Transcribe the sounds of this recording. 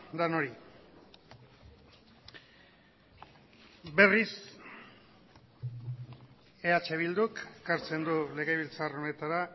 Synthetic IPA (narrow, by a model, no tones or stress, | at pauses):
d̪ano̞ɾi | be̞ris | e̞at͡ʃe̞β̞ild̪ukekaɾt͡se̞nd̪ule̞ɣe̞β̞ilt͡sarone̞t̪aɾa